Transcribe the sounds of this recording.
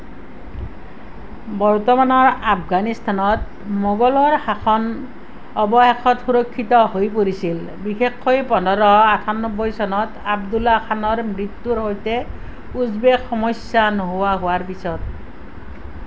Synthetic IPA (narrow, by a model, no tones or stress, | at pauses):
bɔɹtɔmanɔɹapɡanist̪ʰanɔt | mɔɡɔlɔɹhaxʰɔn | ɔbɔhexʰɔtxuɹɔkʰːitɔɦojpoɹisil | bixexːojpɔnɔɾɔatʰanɔbːɔjsɔnɔtabdulakʰanɔɹmɹitːuɹɦɔjtɛ | uzbexɔmɔjsːanoɦowaɦʊwaɹpisɔt